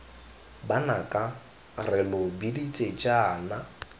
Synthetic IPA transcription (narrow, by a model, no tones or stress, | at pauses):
banakʼa | rɪlʊbidit͡sʼet͡ʃʼaːna